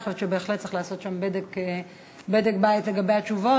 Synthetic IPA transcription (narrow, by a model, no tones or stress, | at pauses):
χot͡ʃʃebe̞ːχlet̪ːt͡si̥χlaːso̞t̪ʃambedek | bed̪ekbait̪le̞ɡabejhat͡ʃuvo